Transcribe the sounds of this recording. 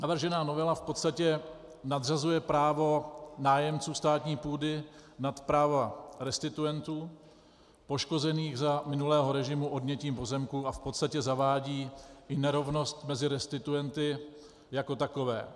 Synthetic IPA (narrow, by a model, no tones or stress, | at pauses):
navr̩ʒɛnaːno̞vɛlafpo̞t̪st̪acɛ | nad̪r̝azujɛpɾaːvo̞naːjɛmt͡suːst̪aːt̪ɲiːpuːdɪnat̪pɾaːvaɾɛst̪ɪt̪ujɛnt̪uː | po̞ʃko̞zɛniːɣzamɪnulɛːɦoɾɛʒɪmuʔo̞dɲɛciːmpo̞zɛmkuafpot̪st̪acɛzavaːɟiːʔɪnɛɾo̞vno̞st̪mɛzɪɾɛst̪ɪt̪ujɛnt̪ɪ | jako̞t̪ako̞vɛ̰ː